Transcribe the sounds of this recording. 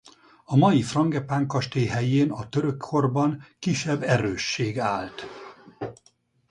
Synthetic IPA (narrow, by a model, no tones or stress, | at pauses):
ɒmɒjifrɒŋɡɛpaːŋkɒʃt̪eːɦɛjeːnɒt̪øɾøkʰːo̞rbɒŋkiʃːɛbːɛɾøːʃːeːɡaːlt̪